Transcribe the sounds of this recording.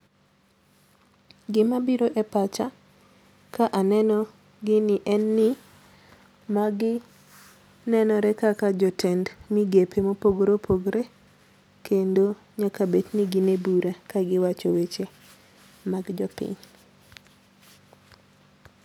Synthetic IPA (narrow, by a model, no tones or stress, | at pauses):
ɡɪmabiɾoʔepat͡ʃa | kaʔanɛnɔ | ɡɪnɪʔɛnːɪ | maɡɪ | nɛnɔɾɛkakad͡ʒɔtʰɛndmiɡepʰemopoɡɾopʰoɡɾe | kʰendo | ɲakabetniɡɪnebuɾakaɡɪwat͡ʃɔwet͡ʃe | maɡd͡ʒɔpɪ̰ɲ